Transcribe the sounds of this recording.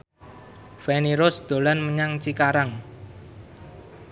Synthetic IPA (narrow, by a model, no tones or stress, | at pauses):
fɛniɾʊsd̪̥o̤lanməɲaŋt͡ʃikaɾaŋ